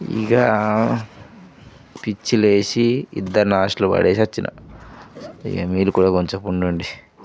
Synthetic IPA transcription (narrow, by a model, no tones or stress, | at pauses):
ḭɡa | pit͡ʃːile̞ːsiḭd̪ːɐɾnaːʂʈlubɐ̰ɽeːsiɐt͡ʃːinʔɐ̰ | ḭɡɐmiːlukuːɽaːkoɲt͡ʃɐpuɳɖuɳɖi